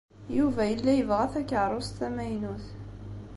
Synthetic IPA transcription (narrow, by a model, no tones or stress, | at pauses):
juvæjəlːæjəvʁæθækːəʕɾˤost̪æmæjnuθ